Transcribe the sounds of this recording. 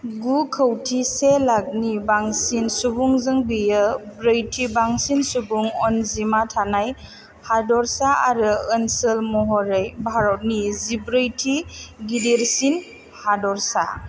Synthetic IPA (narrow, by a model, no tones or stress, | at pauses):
ɡukʰəwtʰiselak̚nibaŋsinsubuŋzɯŋbijɯbɾɯjtʰibaŋsinsubuŋɔnzimatʰanaj | hadɔɾsaaɾɯənsəlmɔɦɔɾɯjbʱaɾɔt̚nizibɾɯjtʰiɡideɾsin | hadɔɾsa̰